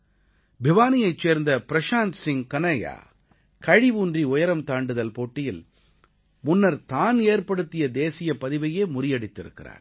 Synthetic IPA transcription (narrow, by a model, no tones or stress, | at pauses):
bɪʋaːnɪjɐɪt͡ʃːeːɾnd̪ɐpɪɾɐʂaːnt̪sɪŋkɐnɐja̰ː | kɐɻiʋuːndriʊjɐɾɐmt̪aːɳɖɯðɐlpoːʈːɪjɪl | mʊnːɐɾt̪aːneːɾpɐɽɯt̪ːɪjɐd̪eːsɪjɐpɐðɪʋɐjeːmʊrɪjɐɽɪt̪ːɪɾɯ̰kːɪra̰ːɾ